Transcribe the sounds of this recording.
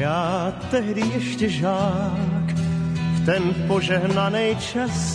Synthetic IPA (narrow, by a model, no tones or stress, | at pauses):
aːt̪ɛɦdɪjɛʃcɛʒaːkft̪ɛnpoʒɛɦnanɛjt͡ʃas